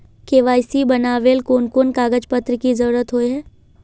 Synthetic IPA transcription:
keːʋaːjsibɐnaːʋeːlkoːnkoːnkaːɡəd͡ʒpət̪ɾəkizɐɾuːɾət̪ɦoeɦɛː

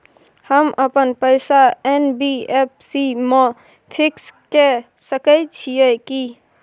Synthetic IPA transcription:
həmʔəpənpəɪsaenbiep̚ʰsime | pʰikske | səkəjt͡ʃʰijəki

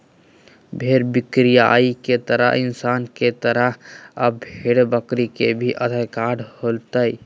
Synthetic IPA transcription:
bʱeɾbɪkɾijaiket̪əɾə̰ɦɪnsaːnket̪əɾəɦəbʱeɽbəkɾikebʱiʔəd̪ʱəjkaɽholt̪əj

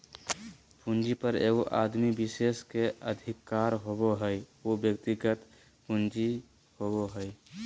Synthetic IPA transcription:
pʰũnd͡ʒipəɾḛɡoʔad̪mibiseskeəd̪ʱɪkːaːɾɦoboɦəjobjəkt̪iɡət̪ | pund͡ʒi | hoboɦəj

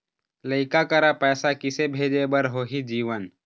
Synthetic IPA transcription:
ləɪkakəɾapɛːsakɪsebʱeːd͡ʒebəɾɦoːɦid͡ʒiːʋən

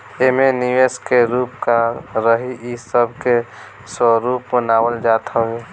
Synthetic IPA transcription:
emeniʋeskeɾuːpkaɾəɦiisəbke | sɔɾuːpmənaːwəld͡ʒaːt̪ʰae

